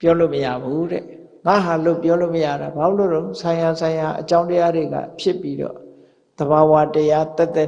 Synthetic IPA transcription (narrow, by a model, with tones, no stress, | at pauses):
pjɔ˦lo˦˨məja̰˦˨bu˦ɾɛ̰˨ | ŋa̰˦˨ɦa˨lo˦˨pjɔ˦lo˦˨məja̰˦˨ɾa˨ba˨˦lo̰˦˨ɾõ˦ʊ̃sʰã˨ɪ̃ja˨sʰã˨ɪ̃ja˨ʔət͡ɕã˦ʊ̃ntə˦ja˦de˨ɡa̰˦˨pʰjɪ˦pːi˦ɾɔ̰˦˨ | d̪̥əβa˨wa˦təja˦t̪ɛ˦t̪ːɛ˦